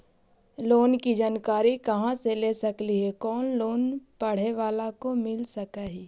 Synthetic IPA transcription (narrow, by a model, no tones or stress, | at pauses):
loːnkid͡ʒaːnkaːɾikɐɦãseleːsɐkliɦɛkɔːnloːnpɐɽ̤eʋaːlakomɪlsɐkaːɦiː